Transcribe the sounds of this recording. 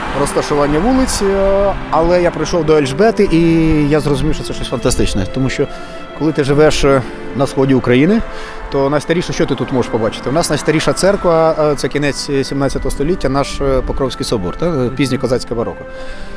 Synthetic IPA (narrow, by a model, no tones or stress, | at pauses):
rɔst̪ɐʃʊʋɑnʲːɐʋulˠɪt͡sʲ | ɐlˠɛjapɾɪjʃɔwd̪ɔɛlʲʒbɛt̪ɪʔijazrɔzʊmʲiwʃt͡ʃɔt̪sɛt͡ʃɔsʲfɐnt̪ɐst̪ɪt͡ʃnɛt̪ɔmuʃt͡ʃɔ | kɔlˠɪt̪ɪʐɪʋɛʂ | nɐsxɔdʲiʊkɾɐjinɪ | t̪ɔnɐsʲt̪ɐɾʲiʃɐʃt͡ʃɔt̪ɪt̪ut̪mɔʒeʃpɔbɑt͡ʃɪ̥t̪ɪwnɑsnɐsʲt̪ɐɾʲiʃɐt̪sɛrkʋɐt̪sɛkʲɪnɛt͡sʲsʲimnɑt͡sʲːɐt̪ɔɦɔst̪ɔlʲitʲːɐnɑʃpɔkɾɔwsʲkɪjsɔbɔ̰rt̪apʲizʲnʲikɔzɑsʲkɐbɐɾɔ̰kʊ